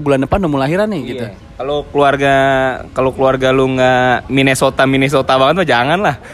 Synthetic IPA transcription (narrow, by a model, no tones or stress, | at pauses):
bulandəpanːomulaɦiɾanɪɡit̪u | kalokəluarɡakalokəluarɡaluŋaminesot̪aminɛs̬ot̪abaŋət̪̚mad͡ʒaŋanlah